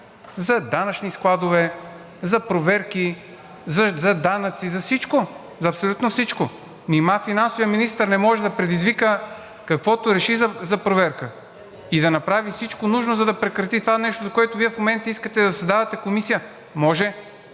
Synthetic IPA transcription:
zɐd̪anɐt͡ʃnisklˠad̪ovɛ | zɐpɾovɛɾki | zɐzɐd̪anɐt̪sizɐfsit͡ʃko | zɐpsolʲut̪nofsit͡ʃko | nimafinansovijəminist̪əɾnɛmɔʒɛd̪ɐpɾɛd̪izvikə | kɐkvɔt̪oɾɛʃizɐzɐpɾovɛɾkə | id̪ɐnɐpɾavifsit͡ʃkonuʒnozɐd̪ɐpɾɛkɾɐt̪it̪ovanɛʃt̪ozɐkoɛt̪ʊviɛfmomɛnt̪əiskət̪ɛd̪ɐsɐzd̪avɐt̪ɛkomisijə | mɔʒɛ

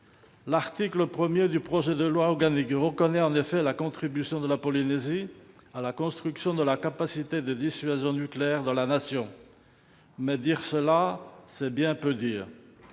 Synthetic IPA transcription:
laʁt̪ikləpχəmjed̪ypχɔʒɛd̪əlwaɔʁɡanikʁəkɔnɛɑ̃nefɛlakɔ̃t̪χibysjɔ̃d̪əlapɔlinezi | alakɔ̃st̪χyksjɔ̃d̪əlakapasit̪ed̪əd̪isɥazjɔ̃nykleɛʁd̪ɑ̃lanasjɔ̃ | mɛd̪iʁsəlasɛbjɛ̃pød̪iːʁ

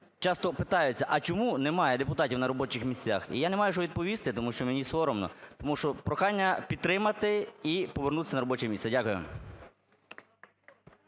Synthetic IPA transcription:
t͡ʃɑst̪ɔpɪt̪ɑjʊt͡sʲːɐʔɐt͡ʃɔmunemɑjɛd̪epʊt̪ɑtʲiwnɐɾɔbɔt͡ʃɪxmʲisʲt͡sʲa̰xḭjanemɑjʊʒɔʋʲid̪̚pɔʋʲist̪ɪt̪ɔmuʃt͡ʃɔmenʲisʋɔɾɔmnɔ̰t̪ɔmuʃt͡ʃɔpɾɔxɑnʲːɐpʲid̪t̪ːɾɪmɐt̪ɪipɔʋernut̪ɪ̥sʲɐnɐɾɔbɔt͡ʃɛmʲisʲɐdʲakʊjʊ̰

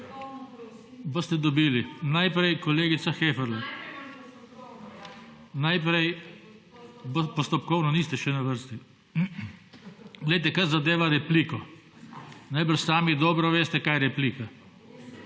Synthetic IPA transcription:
bost̪ɛd̪ɔbiːlinajpɾɛjkɔleːɡit̪saxeːfɛɾla | najp̬ɾɛj | bpɔst̪ɔpkɔwnɔniːst̪ɛʃɛnaʋəɾst̪i | ɡlɛjt̪ɛkaɾzad̪eːʋaɾɛpliːkɔ | najbəɾʃsaːmid̪ɔːbɾɔʋeːst̪ɛkajɾɛpliːka

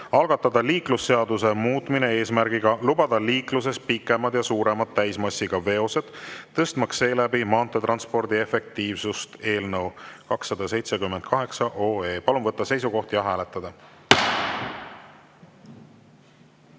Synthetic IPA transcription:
ɑlɡɑt̪ːˑɑd̪̥ɑliːklusːe̞ɑd̪use̞muːt̪ˑmine̞e̞ːsmæɾɡiɡ̥ɑlubɑd̪̥ɑliːklus̬e̞st̪pikːˑe̞mɑd̪̥jɑsuːɾe̞mɑd̪ːæjsmɑsːiɡ̥ɑve̞o̞se̞d̪̥t̪ːɤst̪mɑksːe̞ːlæbimɑːnt̪ːˑet̪rɑnspo̞rd̪ie̞fe̞k̚t̪iːvsust̪e̞ːlnɤwkɑksːɑd̪̥ɑse̞jt̪se̞kymːend̪̥̚kɑɦe̞ksɑʔoːe̞ːpɑlumvɤt̪ːɑse̞js̬uko̞ht̪jɑɦæːle̞t̪ːˑɑd̪̥ɑ

